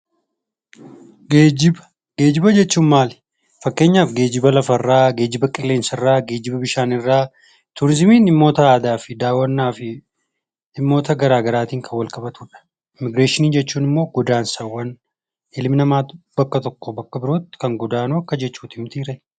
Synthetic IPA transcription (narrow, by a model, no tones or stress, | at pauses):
ɡeːd͡ʒɪbɐ̥ | ɡ̥e̞ːd͡ʒɪbɐd͡ʒɛt͡ʃːuːnmaːl | fɐkːe̞ːɲːaːfɡe̞ːd͡ʒɪbɐlɐfɐrːaːɡe̞ːd͡ʒɪbɐkʼɪlːe̞ːnsɐɪrːaːɡe̞ːd͡ʒɪbɐbɪʃaːnɪrːaː | t̪ʊɾɪzɪmiːnɪmːo̞ːt̪ɐaːd̪aːfɪd̪aːwːɐnːaːfɪ | ɪmːo̞ːt̪ɐɡɐɾaːɡɐɾaːt̪iːŋkʰɐwːɐlkʼɐbɐt̪uːᶑɐ̥ | ɪmɪɡɾeːʃɪniːd͡ʒɛt͡ʃːuːnɪmːo̞ːɡɔd̪aːnsɐwːɐn | ɪlmɪnɐmaːt̪ʊbɐkːɐt̪ɔkːobɐkːɐbɪɾoːt̪ːɪ̥kɐŋɡɔd̪aːnuɐkːɐd͡ʒɛt͡ʃːuːt̪ɪmt̪iːɾɛ